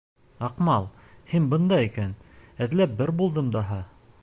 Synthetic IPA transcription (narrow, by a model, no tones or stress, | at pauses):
ɑqmɑlˠ | hinbɤ̆nd̪ɑikænæðlæp̚bɘɾbulˠd̪ɤmd̪ɑɦɑ